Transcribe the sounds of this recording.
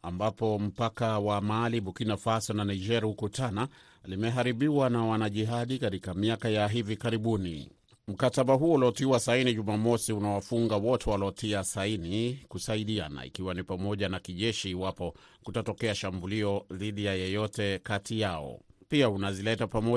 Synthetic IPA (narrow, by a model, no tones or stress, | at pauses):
ambapɔm̩pakawamaliɓukinafasɔnanaid͡ʒɛɾihukutana | limɛɦaɾiɓiwanawanaʄiɦaɗikatikamiakajaɦivikaɾiɓunḭ | m̩kataɓaɦuɔulɔtiwasainiʄumamɔsiunawafuŋɡawɔtɛwalɔtʰiasainikusaiɗiana̰ḭkiwanipamɔʄanakiʄɛʃiːwapɔ | kutatɔkɛaʃambuliɔðiɗijajɛjɔtɛkatijaɔ̰piaunazilɛtapamɔ